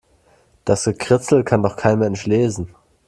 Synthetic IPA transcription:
d̥asɡ̥əkʁ̥ɪt͡sl̩kʰandɔχkʰaɪnmɛɛnʃleːzn̩

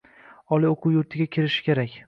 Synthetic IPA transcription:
ɒlˠioqʰʊwjʊɾt̪ʰɪɡʲakʲʰɪɾɪʃɪ̥kʲe̞ɾakʲ

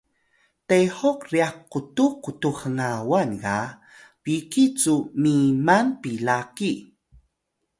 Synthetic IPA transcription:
teħokriakːutukːutuhəŋawanɡa | pikit͡sumimanpilaki

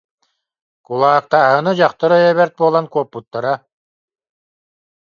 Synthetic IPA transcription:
kulˠaːk̚t̪aːɦɯnɯd͡ʑaχt̪aɾœjɛβɛɾt̪̚buɔlˠankuɔpːut̪ːaɾa

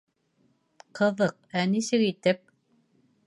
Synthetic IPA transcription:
qʰɤ̆ðɤq̚ænisɘkit̪ɘp̚

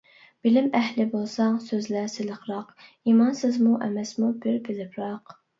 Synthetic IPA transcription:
b̥ɪlɪmɛhlɪbolˠsɑŋsøzlæsɪlˠəqɾɑq | imɑnsɪzmuʔɛmɛsmubɪɾbɪlɪpɾɑq

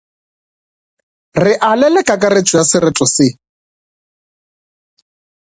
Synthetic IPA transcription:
rɪʔalɛlɛkʼakʼarɪt͡ʃʼʊjasɪrɪtʼɔsɪ

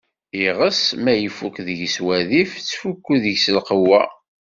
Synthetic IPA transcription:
iʁəsmæjəfukðəʝswæðift͡sːfukːuðəʝsəlqəwːæ̰

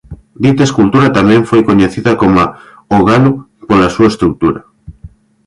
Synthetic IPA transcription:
d̪it̪eskult̪uɾat̪amẽɱfojkoɲeθiðakoma | oɣalo | polasuaest̪ɾuk̚t̪uɾa

